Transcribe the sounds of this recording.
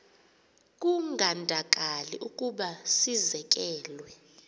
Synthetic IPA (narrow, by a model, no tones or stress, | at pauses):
k̬ʼuŋɡʱandʱakʼalḭʔukʼuɓasizɛk̬ʼɛːlwɛ